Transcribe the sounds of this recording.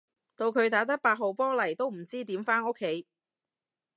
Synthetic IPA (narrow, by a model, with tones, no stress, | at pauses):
t̪o˧wkʰɵ˨˧ɥt̪aː˨˥t̪ɐ˥k̚paː˧t̚ɦo˨wpɔː˥lɐ˨˩jt̪o˥wm̩˨˩t͡siː˥t̪iː˨˥mfaː˥no˥kʰːe˨˥j